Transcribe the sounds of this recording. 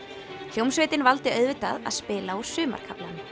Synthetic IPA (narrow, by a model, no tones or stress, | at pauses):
l̥owmsvɪːt̪ɪnvalt̪ɪœðvɪt̪aða̰ðspɪːlaɔsʏːma̰ɾ̥kʰaplan